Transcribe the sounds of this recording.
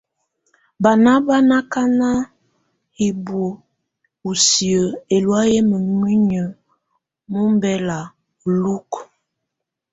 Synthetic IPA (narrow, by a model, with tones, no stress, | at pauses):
ba˨na˦ba˦na˦ka˦na˦ | hi˨bo˨ | u˨si˨ə˨e˨lwa˦je˦mə˨ŋwi˦ɲə˨ | mu˦m˦bɛ˦la˨ | lu˦k